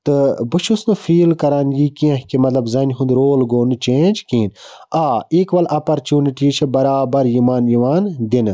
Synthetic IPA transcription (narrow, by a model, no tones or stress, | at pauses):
t̪ɨbɨʃʰusnɨfiːlkɐɾaːnɡiːkiɐ̃ɦkimɐt̪lɐbzɐnʲɦũnd̪ɾoːlɡoːnɨt͡ʃeːnʲd͡ʒkiːn | aːeːkʋɐlʔɐːpɐɾt͡ʃuːniʈiːt͡ʃʰɐbɐɾaːbɐɾjimaːnjiʋaːnd̪inɨ